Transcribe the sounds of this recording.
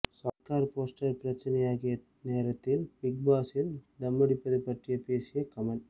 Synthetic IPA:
sɐːtkaːɾpoːsʈɐɾpɪɾɐt͡ʃːɪnɐjaːɣɪjɐ | neːɾɐt̪ːɪlpɪk̚baːsɪld̪ɐmːɐɽɪpːɐðɐpːɐʈrɪjɐpeːsɪjɐkɐmɐl

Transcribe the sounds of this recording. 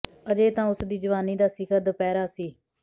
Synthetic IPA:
əd͡ʒeːt̪ãːʊsd̪iːd͡ʒəʋaːniːd̪aːsɪkʰəɾd̪əpɛːɾaːsiː

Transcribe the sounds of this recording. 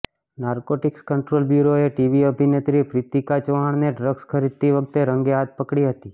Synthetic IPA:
naɾkoʈɪkskəɳʈɾolbjuɾoeʈiʋiəbʱinet̪ɾipɾit̪ikat͡ʃʋaɳ̃neɖɾəɡskʰəɾid̪̚t̪iʋək̚t̪eɾə̃ŋɡeat̪̚pəkɽiɦət̪i

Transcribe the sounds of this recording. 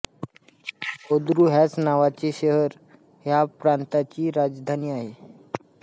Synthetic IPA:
od̪ɾuːɦjat͡snaʋat͡seɕəɦəɾ | ɦjapɾant̪at͡ɕiːɾad͡zd̪ʱaniːaɦe

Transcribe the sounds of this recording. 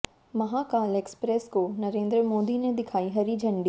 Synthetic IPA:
mɐɦaːkaːleːkspɾeːskoːnɐɾeːnd̪ɾəmoːd̪ined̪ɪkʰaːiɦɐɾid͡ʒʱɐ̃ɳɖi

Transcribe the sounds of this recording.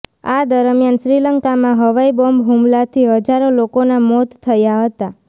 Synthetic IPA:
ad̪əɾmjanʃɾiləŋkamãɦəʋaibɔmbɦumlat̪ʰiɦəd͡ʒaɾolokonamɔt̪t̪ʰːəjaɦət̪a

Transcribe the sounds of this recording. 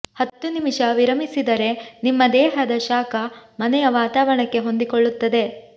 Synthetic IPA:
hɐt̪ːunimiʂɐʋiɾɐmisid̪ɐɾe̞nimːɐd̪ɛːɦɐd̪ɐʃaːkɐmɐnɛjɐʋaːt̪aːʋɐɳɐkːe̞ɦo̞nd̪ikoɭːut̪ːɐd̪e̞

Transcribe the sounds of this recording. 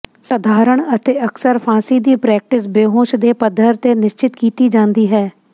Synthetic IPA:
səd̪ʱaːɾəɳ̃ət̪eːəksəɾpʰaːsiːd̪iːpɾɛːk̚ʈɪs̬beːɦõːʃd̪eːpəd̪ʱːəɾt̪enɪʃt͡ʃɪt̪kiːt̪id͡ʒãːnd̪iːɦɛː

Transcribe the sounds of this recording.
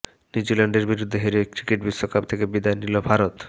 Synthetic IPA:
nid͡ʑilaɳɖeɾbiɾud̪ʱːeɦeɾekɾikeʈ̚biʃokapt̪ʰekebid̪aenilobʱaɾot̪

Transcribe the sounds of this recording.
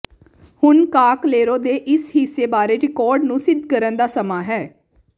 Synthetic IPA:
hʊnkaːkleːɾoːd̪eːʔɪshiseːbaːɾeːɾɪkɔːɾɖnũːsɪd̪ʱkəɾənd̪aːsəmaːɦɛː

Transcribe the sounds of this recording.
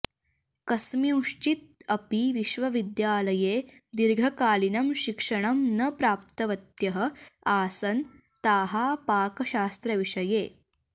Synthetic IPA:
kɐsmiuʂt͡ʃit̪̚ɐpiʋiʃʋɐʋid̪jaːlɐjeː | d̪iɾɡʱɐkaːlinɐmʃikʂɐɳɐmnɐpɾaːp̚t̪ɐʋɐt̪jɐɦɐ̆aːsɐn | t̪aːɦaːpaːkɐʃaːst̪ɾɐʋiʂɐjeː

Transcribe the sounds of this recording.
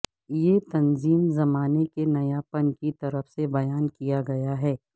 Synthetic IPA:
jet̪ɐnziːmzɐmaːnekenɐjapɐnkit̪ɐɾəfsebɐjaːnkijaɡɐjaɦɛː

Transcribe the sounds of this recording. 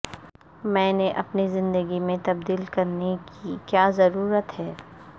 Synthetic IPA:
mɛ̃ːneʔɐpnizɪ̃nd̪əɡimẽt̪ɐbd̪iːlkɐɾnekikjaːzɐɾuːɾət̪ɦɛː

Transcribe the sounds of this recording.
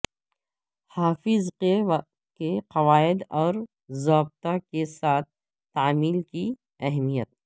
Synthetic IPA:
haːfɪze | keqɐʋaːɪd̪ɔːɾ | zaːb̚t̪akesaːt̪̚ʰ | t̪ːaːmiːlki | ɛɦmijət̪̚

